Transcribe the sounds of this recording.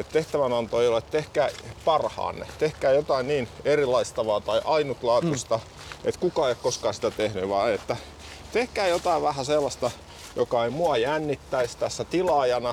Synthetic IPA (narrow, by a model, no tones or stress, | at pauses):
et̪t̪eht̪æʋænɑnt̪oeijolːet̪t̪ehkæːpɑrhɑ̰ːnːḛt̪ehkæːjot̪ɑinniːnerilɑist̪ɑʋɑːt̪ɑiʔɑinut̪lɑːt̪ust̪ɑ | ḛt̪kukɑːeiokkoskɑːsi̥t̪æt̪ehnyʋɑ̰et̪ːæ | t̪ehkæːjot̪ɑiʋʋæhæselːɑst̪ɑ | jokɑeimuɑjænːit̪ːæist̪æsːæt̪ilɑjɑnɑ